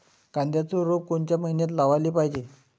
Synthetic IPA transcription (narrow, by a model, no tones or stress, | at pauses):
kãnd̪jat͡soɾop̚koɳt͡ɕjaməɦinjat̪laʋalipaɦd͡ʑe